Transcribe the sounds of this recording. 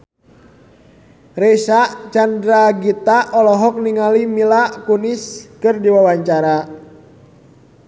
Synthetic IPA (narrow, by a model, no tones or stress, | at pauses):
rɛsaʔt͡ʃandɾaɡit̪aɔlɔɦɔk̚niŋalimilaʔkuniskɨrdiwawaɲt͡ʃaɾa